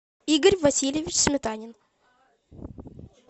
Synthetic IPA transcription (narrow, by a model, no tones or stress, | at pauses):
iɡəɾʲvɐsʲilʲeʋʲit͡ʃsmʲɪt̪anʲɪn